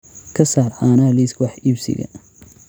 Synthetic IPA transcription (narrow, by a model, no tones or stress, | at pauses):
kʰɐsaːraːnaːliskʰwɑħiːbsɪ̰ɣɐ̰